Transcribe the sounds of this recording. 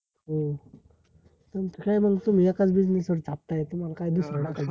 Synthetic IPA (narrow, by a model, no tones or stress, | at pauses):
ɦo | t̪ənt̪ikjm̤əɡt̪um̤ijakat͡sbid͡znesʋəɾt͡sap̚t̪ajet̪um̤alakajid̪usɾəɽakad͡ʑ